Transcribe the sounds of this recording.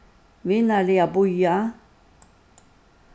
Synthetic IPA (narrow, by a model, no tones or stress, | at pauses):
vɪnalɪabʊja